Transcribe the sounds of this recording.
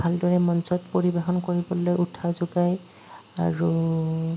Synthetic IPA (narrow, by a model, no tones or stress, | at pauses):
bʱaldɔɹɛmɔnsɔtpoɹibexɔnkoɹibɔlojutʰazʊɡaj | a̰ɹu